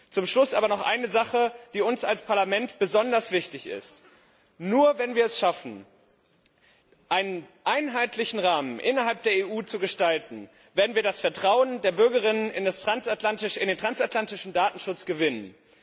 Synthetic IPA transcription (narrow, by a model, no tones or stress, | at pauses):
t͡sʊmʃlʊsʔaːbɐnɔχʔa̰ɪnəzaχəd̥iːʊnsalspʰaɐlamɛntb̥əzɔndɐsv̥ɪçtɪçɪ̰st | nuːɐvɛnviːɐɛsʃafn̩ | ʔaɪnənʔaɪnɦaɪtlɪçn̩ʁaːmənʔɪnɐɦalp̚d̥eːɐeːʔuːt͡suɡəʃtaltn̩ | veːɛɐdnviːɐdasfɛɐtʁ̥aʊəndeːɐbʏɐɡɐʁɪnənɪ̰ndastʁ̥ansatlantɪʃɪndeːntʁ̥ansatlantɪʃn̩daːtn̩ʃʊt͡sɡ̥əvɪnən